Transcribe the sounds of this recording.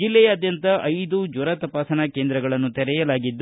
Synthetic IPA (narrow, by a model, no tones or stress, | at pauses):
d͡ʒilːɛjaːd̪jɐnt̪ɐʔɐjd̪ud͡ʒuɾɐt̪ɐpaːsɐnakeːnd̪ɾɐɡɐɭɐnːut̪ɛɾɛjɐlaːɡid̪ː